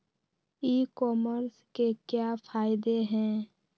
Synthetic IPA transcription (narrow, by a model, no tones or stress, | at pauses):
iːkɔːməɾskekjaːpʰaːɪd̪eɦɛ̃ː